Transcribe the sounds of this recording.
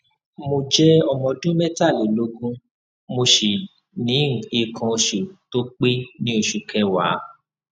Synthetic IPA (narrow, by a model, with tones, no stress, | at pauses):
mo˧d͡ʒɛ˦ɔ˧mɔ̃˧dũ˦mɛ˦ta˦˨le˨lo˧˦ɡũ˦ | mo˧ʃe˨ | nĩ˨˦˨i˧˨kʰã˧o˧ʃu˨to˦k͡pe˦nĩ˦o˧ʃu˨kɛ˧wa̰˨˦